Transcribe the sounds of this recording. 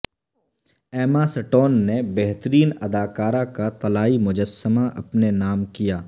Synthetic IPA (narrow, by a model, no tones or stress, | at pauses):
ɛːmasɐʈoːnːebɛɦt̪əɾiːnɐd̪aːkaːɾãkat̪ɐlaːimʊd͡ʒəsːəmaʔɐpnenaːmkijaː